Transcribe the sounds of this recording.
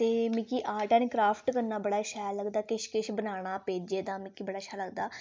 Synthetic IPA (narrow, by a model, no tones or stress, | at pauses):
t̪eːmĩkiːʔaːʈɛːnkɾaːpʰʈkəɾnaːbəɽaːʃʰaːləɡd̪aːkɪʃkɪʃbənaːɽ̃aːpeːd͡ʒeːd̪aːmĩkiːbəɽaːɪʃʰaːləɡd̪aː